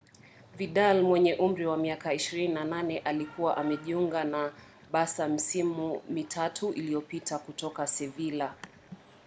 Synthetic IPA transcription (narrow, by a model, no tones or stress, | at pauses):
viɗalmwɛɲɛʔum̩ɾiwamiakaiʃiɾininananɛʔalikuwaʔamɛʄiuŋɡana | ɓasam̩simumitʰatʰuʔilijɔpitʰakutɔkasɛvila